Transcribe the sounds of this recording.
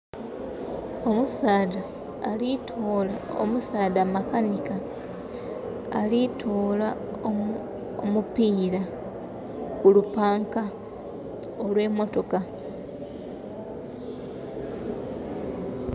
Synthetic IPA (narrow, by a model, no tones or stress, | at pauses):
omusaːda | litʰolao̰musaːdamakanika | litʰoːlao | omupiːɾa | kulupaːŋka | olwe̞ːmo̞to̞ka